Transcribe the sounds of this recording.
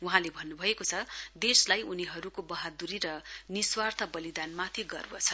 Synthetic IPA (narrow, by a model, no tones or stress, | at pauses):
uɦãlebʱʌnːubʱʌekot͡sʰʌd̪eslajuniɦʌɾukobʌɦad̪uɾiɾʌniswart̪ʰʌbʌlid̪anmat̪ʰiɡʌ̰rwat͡sʰʌ